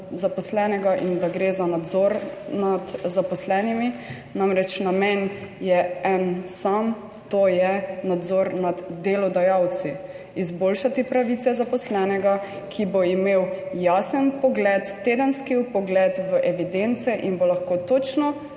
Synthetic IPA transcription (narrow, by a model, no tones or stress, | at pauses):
zapɔslɛːnɛɡaʔind̪aɡɾeːzanad̪zɔɾnad̪zapɔslɛːnimi | namɾɛt͡ʃnamɛnjɛɛnsam | t̪oːjɛnad̪zɔɾnad̪ːelɔd̪ajawt̪si | izboːlʃat̪ipɾaʋit̪sɛzapɔslɛːnɛɡa | kʰiboimewjasənpɔɡlɛt̪ːeːd̪ənskipɔɡlɛt̪ʋəʔɛʋid̪ent̪sɛʔinbolaxkoːt̪ot͡ʃnɔ